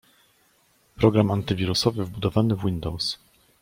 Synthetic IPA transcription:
pɾɔɡɾamant̪ɘvʲiɾusɔvɘvbud̪ɔvanɘvwind̪ɔws

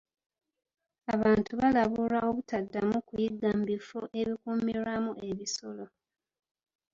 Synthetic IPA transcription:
aβaːntʰuβalaβuɾao̞βutadːamukujiɡːaːmbifoʔe̞βikumiɾamue̞βiso̞lo̞

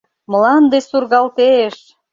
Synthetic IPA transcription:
məlɑnd̪esurɣɑlt̪eʃ

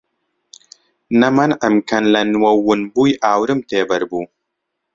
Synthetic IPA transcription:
nɐmɐnʔəmkɐnlɐnwɐwunbujʔaːwɾɨmt̪eːbɐɾbu

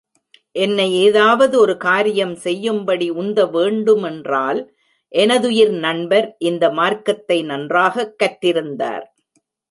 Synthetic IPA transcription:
ʔɛnːɐɪeːðaːʋɐðɯɔɾɯkaːɾɪjɐmsɛjːɯmbɐɽiʊnd̪ɐʋeːɳɖɯmɛndraːl | ʔɛnɐðʊjɪɾnɐɳbɐɾʔɪnd̪ɐmaːɾkɐt̪ːɐɪnɐndraːɣɐkːɐʈːɪɾɯnd̪a̰ːɾ

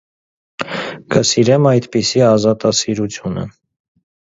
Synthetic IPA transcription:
kəsiɾɛmɑjd̪pisiɑzɑt̪ɑsiɾut͡sʰjunə̰

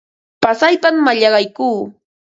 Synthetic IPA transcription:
pasajpamːaʎɑɢɑjkuː

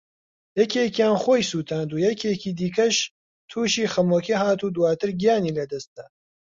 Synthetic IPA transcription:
jɛkʰeːkjaːnxoːjsuːt̪ʰaːnd̪uːjɛkʰeːkiːd̪iːkʰɐʃ | t̪ʰuːʃiːxɐmoːkʰeɦaːt̪ud̪uwaːt̪ʰɨɾɡijaːniːlɐd̪ɐst̪̚d̪̥a

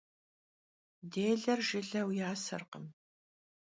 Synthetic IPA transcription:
deːɮɐrʒɪɮɐwjaːsɐ̰rqə̰m

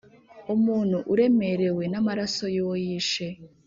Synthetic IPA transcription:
umuːn̤̥huʔuɾe̞me̞ɾe̞we̞namaɾaso̞jojiʃe

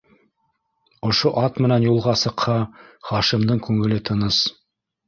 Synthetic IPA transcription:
ŏʃoʔɑt̪mɘ̆nænjulˠʁɑsɤ̆qhɑχɑʃɤ̆md̪ɤɴkʉŋɘ̆lɘt̪ʰɤ̆nɤs

